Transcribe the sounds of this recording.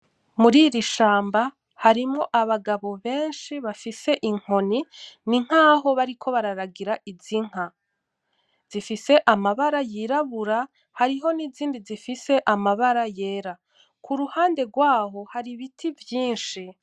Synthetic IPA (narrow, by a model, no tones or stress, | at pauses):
muɾiɾiʃaːmba | haɾimŋoʔaβaɡaβo̞βe̞ːnʃiβafise̞ʔiŋ̥ho̞niniŋ̥aːɦo̞βaɾikʰo̞βaɾaɾaɡiɾaʔiziŋ̥a | z̥ifise̞ʔamaβaɾajiɾaβuɾa | haɾiɦo̞niziːndizifise̞ʔamaβaɾaje̞ːɾa | kʰuɾuhaːnde̞ɡwaːɦo̞haɾiβitʰivjiːnʃi